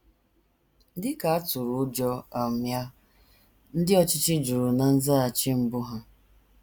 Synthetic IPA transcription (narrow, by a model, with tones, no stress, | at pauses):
dɪ˦ka˨a˦tʊ˨ɾʊ˨˦d͡ʒɔ˦a˨mja˦ | n̩˦dɪ˦ɔ˦t͡ʃɪ˦t͡ʃɪ˦d͡ʒu˨ɾu˨na˨n̩˦za˦a˨t͡ʃɪ˦m̩˨bʊ˦ɦa˦